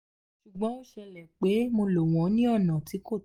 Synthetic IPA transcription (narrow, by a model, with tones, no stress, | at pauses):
ʃu˨ɡ͡bɔ̃˨˦o˦ʃɛ˧lɛ˨k͡pe˨˦mo˧lo˨w̃ɔ̃˨˦nĩ˦ɔ˦˨nã˨ti˨˦ko˦˨